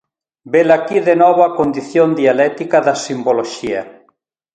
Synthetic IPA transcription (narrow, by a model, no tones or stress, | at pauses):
belakiðenɔβakond̪iθjond̪ialɛt̪ikaðasimboloʃia